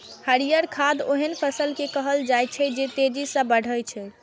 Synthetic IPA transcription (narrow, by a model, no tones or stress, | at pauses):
həɾijəɾkʰad̪oɦənpʰəsəlkekəɦəld͡ʒajt͡ʃʰɛd͡ʒet̪ed͡ʒisə̃bəɽ̤əjt͡ʃʰɛ